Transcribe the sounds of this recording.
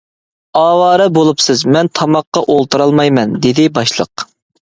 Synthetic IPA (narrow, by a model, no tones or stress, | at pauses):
ɑːwɑːɾɨbolˠupsɨzmɛnt̪ʰɑmɑqːɑʔolˠt̪ʰɨɾɑlˠmɑjmɛnd̪ed̪ɪbɑʃlˠə̰q